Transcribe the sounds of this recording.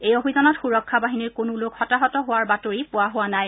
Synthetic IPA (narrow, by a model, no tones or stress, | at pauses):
ejobizɔnɔtxuɹɔkʰːabaɦiniɹkonʊlokxɔtaɦɔtɔɦʊwaɹbatoɹipʊwaɦʊwanaj